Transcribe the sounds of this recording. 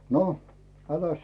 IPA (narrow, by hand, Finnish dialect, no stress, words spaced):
no ælæs